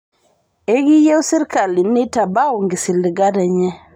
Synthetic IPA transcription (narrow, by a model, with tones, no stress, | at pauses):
e˦ɡi˦je˦wsi˦ɾka˨li˨ni˦ta˨ba˦wu˨ŋɡi˨si˨li˨ɡa˦dɛ˨ɲɛ˦